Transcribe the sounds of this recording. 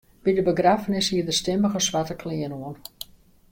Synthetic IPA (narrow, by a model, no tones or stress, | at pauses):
b̥idəbəɡrafənɪshiərdəstɪməɣəsʋatəkʰliənoən